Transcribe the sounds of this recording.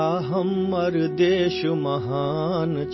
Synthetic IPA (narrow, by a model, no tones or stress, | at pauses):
aːɦɐmːɐɾd̪eːʃumɐɦaː | nt͡ʃ